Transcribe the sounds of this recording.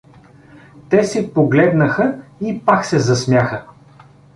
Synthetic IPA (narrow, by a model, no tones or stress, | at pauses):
t̪ɛsɛpoɡlɛd̪nəxəipaksɛzɐsmʲjaxə